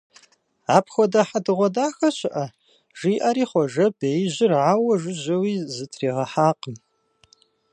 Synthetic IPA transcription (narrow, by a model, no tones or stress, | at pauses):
aːpʰxʷɔdaħadɨʁʷɔdaːxɐɕɪʔɐ | ʒ̥iːʔɐɾiːχʷɔʒɐbejʑɪrʕawɐʒʷɨʑɐwiːzɨtʰriːʁɐħaːqəm